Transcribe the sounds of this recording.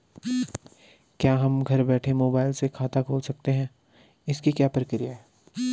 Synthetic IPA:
kjaːɦɐmɡʱɐɾbɛːʈʰemoːbaːɪlsekʰaːt̪akʰoːlsɐk̚t̪eɦɛ̃ː | ɪskikjaːpəɾəkɾijaɦɛː

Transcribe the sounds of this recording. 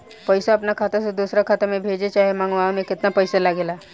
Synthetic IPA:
pəjsaːpnakʰat̪ased̪usɾakʰat̪amebʱed͡ʑet͡ʃaɦemãŋɡʋamekɪt̪napəjselaɡela

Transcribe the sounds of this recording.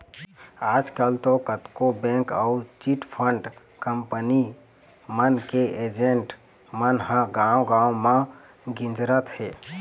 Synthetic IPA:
aːd͡ʒkəlt̪okət̪kobẽŋkəut͡ʃiʈpʰəɳɖ | kəmpəni | mənkeʔed͡ʒeɳʈ | mənɦãɡaõɡãomã | ɡɪ̃nd͡ʒɾət̪heː

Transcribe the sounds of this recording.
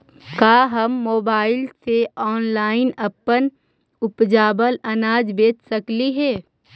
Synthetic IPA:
kaːɦɐmːoːbaːɪlseɔːnlaːɪnɐpːən | ʊpd͡ʒaːbəlɐnaːd͡ʒbeːt͡ʃsɐkliɦɛː

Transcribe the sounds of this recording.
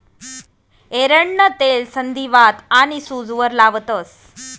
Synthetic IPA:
eɾəɳːət̪elsənd̪ʱiʋat̪añisud͡zʋəɾlaʋt̪əs

